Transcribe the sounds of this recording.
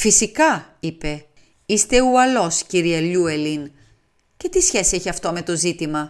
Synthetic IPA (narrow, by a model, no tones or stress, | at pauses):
fisikɐipe̞ | ist̪e̞uɐlo̞sciɾiɐʎuelin | ce̞t̪isçe̞sieçiɐft̪o̞me̞t̪o̞zit̪imɐ